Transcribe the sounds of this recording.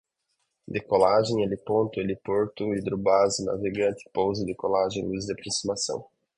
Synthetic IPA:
d̪ɪkolaʒẽj̃elɪpõnt̪ʊelɪpoɾt̪ʊid̪ɾʊbazɪna̰veɡɐ̃nt̪ɪ̥powzɐd̪ɪkolaʒẽj̃luzd̪ɪapɾosimasɐ̰̃w̃

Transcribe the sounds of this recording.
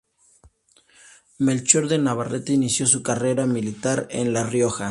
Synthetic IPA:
melt͡ʃoɾðe̞naβaret̪inisjo̞sukare̞ɾamilit̪aɾḛnlarjo̞xa

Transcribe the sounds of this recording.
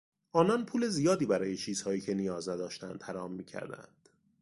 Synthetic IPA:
ʔɒːnɒnpʰuːle̞zijɒːd̪iːbæɾɒːje̞t͡ʃʰiːz̥hɒːiːcʰenijɒːznæd̪ɒːʃt̪ænd̪hæɾɒːmːiːcʰæ̰ɾd̪æ̰nd̪̥

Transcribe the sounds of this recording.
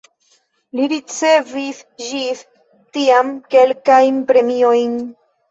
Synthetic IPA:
liɾit͡se̞vis | ʒis | tiamke̞lkajnpɾe̞miojn

